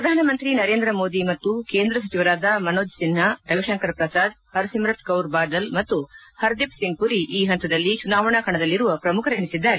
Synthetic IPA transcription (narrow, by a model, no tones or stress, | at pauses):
pɾɐd̪ʱaːnɐmɐnt̪ɾinɐɾe̞ːnd̪ɾɐmoːd̪imɐt̪ːukeːnd̪ɾɐs̬ɐt͡ʃiʋɐɾaːd̪ɐmɐnoːd͡ʒ̪sinɦɐɾɐʋiʃɐŋkɐɾpɾɐsaːd̪ | hɐɾsimɾɐt̪kɐwɾbaːd̪ɐlmɐt̪ːuhɐɾd̪ipsiŋɡ̚puɾiʔiːɦɐnt̪ɐd̪ɐlːit͡ʃunaːʋɐɳɐkɐɳɐd̪ɐlːiɾuʋɐpɾɐmukʰɐɾɐɳisid̪ːaːɾe